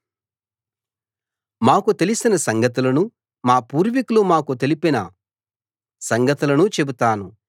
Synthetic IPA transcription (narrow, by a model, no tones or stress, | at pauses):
maːkut̪e̞lisinɐsɐŋɡɐt̪̬ulɐnu | maːpuːɾʋikulumaːkut̪e̞lipinɐ | sɐŋɡɐt̪ulɐnut͡ʃe̞but̪aːnu